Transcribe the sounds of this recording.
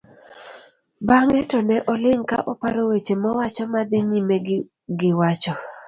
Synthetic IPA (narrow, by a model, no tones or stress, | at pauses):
baŋɛtɔnɛʔɔlɪŋka̰ʔɔpaɾowet͡ʃemɔwat͡ʃɔmad̪ɪɲime | ɡɪwat͡ʃɔ